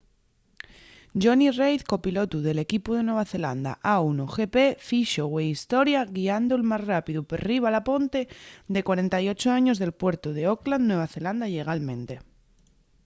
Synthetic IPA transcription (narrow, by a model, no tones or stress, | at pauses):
ɟ͡ʝonirejθko̞pilo̞t̪uðe̞le̞kipuð̞e̞nwe̞β̞aθe̞la̰nd̪a̰ʔaunoxe̞pe̞fiʃoweist̪o̞ɾjaɣiand̪oelmazrapiðuperiβ̞alapo̞nt̪e̞d̪e̞kwaɾe̞nt̪ajo̞t͡ʃoaɲo̞zðe̞lpwe̞ɾt̪uðe̞oklannwe̞β̞aθe̞land̪aiʎe̞ɣ̞almẽ̞nt̪e̞